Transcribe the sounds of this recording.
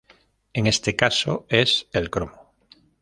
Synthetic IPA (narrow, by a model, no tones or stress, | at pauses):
eŋest̪ekasoeselkɾomo